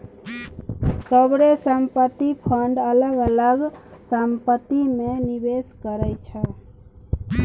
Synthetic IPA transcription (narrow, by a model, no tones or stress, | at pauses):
səbɾesəmpət̪ipʰəɳɖələɡələɡsəmpət̪imenibeskəɾəjt͡ʃʰə